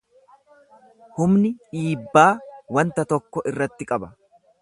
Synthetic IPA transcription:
hʊmnɪᶑiːbːaːwɐnt̪ɐt̪ɔkːɔʔɪrːɐt̪ːɪkʼɐbɐ

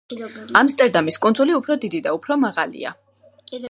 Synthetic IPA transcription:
amst̪ʼɛɾd̪amiskʼund̪zuliupʰɾɔd̪id̪id̪aupʰɾɔmaʁalḭa̰

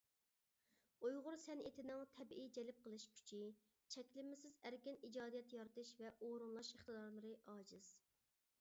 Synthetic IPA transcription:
ojʁʊɾsɛnʔet̪ʰɪnɪŋt̪ʰɛbʔid͡ʒɛlɪp̚qʰəlˠɨʃkʲʰy̥t͡ʃʰi | t͡ʃʰɛkʲlɪmːɪsɪzæɾkʲɪnid͡ʒɑːd̪ijɛt̪jɑɾt̪ɨʃvɛʔoɾunlˠɑʃəχt̪ɨd̪ɑɾlˠɨɾɨʔɑːd͡ʒɨz̥

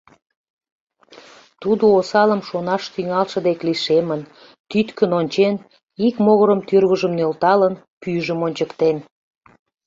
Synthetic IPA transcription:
t̪ud̪oosɑləmʃonɑʃt̪yŋɑlʃə̆d̪ekliʃemən | t̪yt̪kənonʲt͡ɕen | ikmoɣəɾəmt̪yrβəʒəmnølt̪ɑlən | pyʒəmonʲt͡ɕəkt̪en

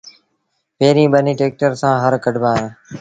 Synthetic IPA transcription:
peːɾĩːɓəniːʈeːk̚ʈəɾsãːɦəɾkəɖʱbaːɦẽː

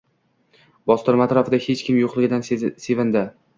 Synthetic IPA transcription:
bɒst̪ʊɾɪmat̪ɾɒfɪd̪ahe̞t͡ʃkʲʰɪmjoqlˠɪɡʲɪd̪anse̞vɪnd̪a

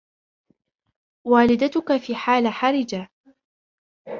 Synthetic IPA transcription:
waːlɪd̪at̪ʊkafiːħaːlaħaɾɪd͡ʒa

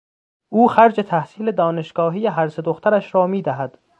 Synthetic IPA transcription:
ʔuːxæɾd͡ʒet̪ʰæhsiːle̞d̪ɒːneʃɡ̥ɒːɦiːjeɦæɾse̞d̪oxt̪ʰæɾæʃɾɒːmiːd̪æɦæd̪̥

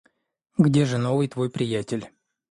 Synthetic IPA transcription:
ɡdʲe̞ʐɨnovɨjt̪vo̞jpɾʲɪjætʲɪlʲ

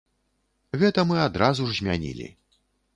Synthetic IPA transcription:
ɣɛt̪ɐmɨad̪ɾazuʐzʲmʲanʲḭlʲḭ

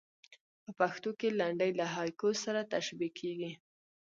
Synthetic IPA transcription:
pəpaxt̪okelaɳɖəjlaɦɑjkosaɾat̪aʃbikʰːeɡi

